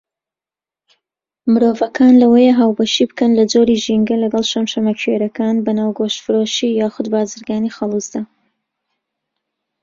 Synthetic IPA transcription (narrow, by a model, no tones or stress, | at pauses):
mɨɾoːvɐkʰaːnlɐwɐjeɦaːwbɐʃibɨkɐnlɐd͡zoɾiʒiŋɡɐlɐɡɑlˠʃɐmʃɐmɐkʰweɾɐkaːnbɐnaːwɡoʃfɨɾoʃijaːxʊd̪baːzɨɾɡaːnixɐlˠuzd̪a